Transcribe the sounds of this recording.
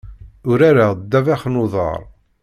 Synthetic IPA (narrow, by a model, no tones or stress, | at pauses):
ʊɾaɾad̪ːævæχnʊðˤɑ̰ɾˤ